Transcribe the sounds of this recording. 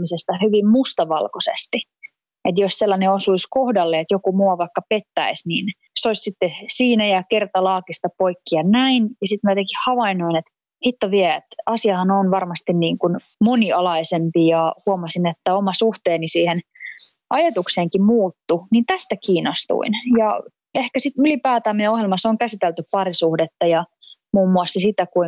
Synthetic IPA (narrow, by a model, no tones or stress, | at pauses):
misest̪ɑhyʋimmust̪ɑʋɑ̰lkosḛst̪i | et̪josselːɑneosuiskohdɑlːeet̪jokumuɑʋɑikːɑpet̪ːæ̰isniːn | soissit̪ːesiːnæjɑkert̪ɑlɑːkist̪ɑpoikːiɑnæinjɑsit̪myæt̪ekihhɑʋɑinoinet̪ | hit̪ːɑʋiɛet̪ɑsiɑhɑnonʋɑrmɑst̪inniːŋkun | moniɑlɑisempijɑhuɑmɑsinet̪ːæomɑsuht̪eːnisiːhen | ɑjɑt̪ukseːŋkimuːt̪ːunint̪æst̪ækiːnːost̪ṵinjɑ | ehkæsit̪ylipæːt̪æːmiɛohjelmɑsoŋkæsit̪elt̪yppɑrisuhdet̪ːɑjɑ | muːmːuɑsːɑsit̪ækui